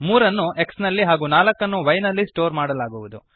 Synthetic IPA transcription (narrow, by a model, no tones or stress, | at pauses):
muːɾɐnːuʔe̞ksnɐlːiɦaːɡuːnaːlɐkːɐnːuʋɐjnɐlːisʈoːɾmaːɽɐlaːɡuʋud̪u